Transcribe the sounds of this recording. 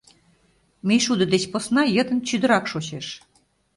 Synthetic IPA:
mejʃud̪ə̆d̪et͡ɕposnɑjə̆t̪ə̆nt͡ɕyd̪ə̆ɾɑkʃot͡ɕeʃ

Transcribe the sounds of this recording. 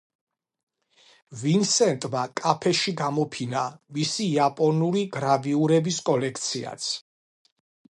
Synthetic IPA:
vinsɛnt̪ʼmakʼapʰɛʃiɡamɔpʰinamisiːapʼɔnuliɡɾaviuɾɛbiskʼɔlɛkʰt̪sʰia̰t̪sʰ

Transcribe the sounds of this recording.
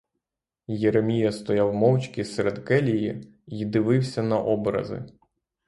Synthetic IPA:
jeɾemʲijɐst̪ɔjawmɔwt͡ʃʲkʲiseɾed̪kɛlʲiji | id̪ɪʋɪwsʲɐnɐʔɔbɾɐ̰zɪ̰

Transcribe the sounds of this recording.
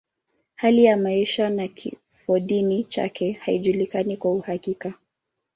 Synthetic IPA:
halijamaiʃanakʰḭ | fɔɗinit͡ʃa̰kʰɛhaiʄulikanikwauhakika

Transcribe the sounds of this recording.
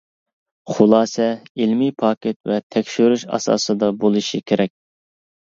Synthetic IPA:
χʊlˠɑːsɛilmipʰɑːkʲet̪vɛt̪ʰɛkʲʃyɾyʃɑ̰sɑ̰ːsɨd̪ɑbolˠɨʃikʲʰeɾʔɛk̚ʲ

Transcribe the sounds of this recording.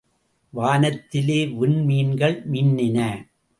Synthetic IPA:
ʋaːnɐt̪ːɪleːʋʊnmiːnɡɐɭmɪnːɪnɐ

